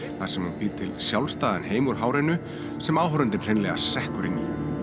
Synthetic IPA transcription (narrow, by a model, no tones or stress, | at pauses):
θasɛmhunpiːɾt̪ʰɪlsjawlst̪aːðanɦeːjmʏɾ̥ɦaːwɾejnʏ | sɛmaːwɦœɾʏnt̪ɪmr̥ejnlɛɣa̰sɛhkʏɾɪnːḭ